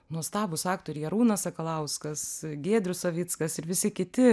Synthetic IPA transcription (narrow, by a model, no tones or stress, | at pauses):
nuɔst̪ɑːbʊsɑːkt̪oːɾʲɪjɛɾuːnɐsɐkɐlˠɐʊskɐsɡʲeːd̪ʲɾʲʊsoʋʲit̪skɐsɪɾʋʲɪsʲɪkʲɪt̪ʲɪ